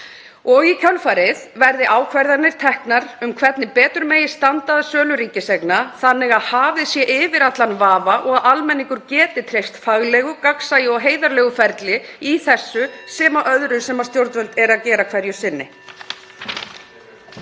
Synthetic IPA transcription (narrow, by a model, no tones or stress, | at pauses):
ɔɣicʰœlfaɾɪðvɛɾðɪʔaːwkʰvajɾðanɪɾ̥t̪ʰɛhknaɾ̥ʏmkʰvɛt̪nɪpɛːt̪ɾʏɾmeːjɪ̥st̪ant̪aðasœːlʏɾiŋcɪseknaθanːɪɣaðhaːvɪsjɛʔɪvɪɾat̪lanvaːvaʔɔɣaðalmɛnːiŋkʏɾcɛːt̪ɪt̪ʰɾejst̪faɣlɛːɣʏkaksajɪɔɣɦeːjðaɾlɛːɣʏfɛɾt̪lɪiθɛsːʏsɛːmaʔœðɾʏsɛmḁst̪jowɾt̪vœlt̪ɛɾaðcɛːɾakʰv̥ɛɾjʏsɪnːɪ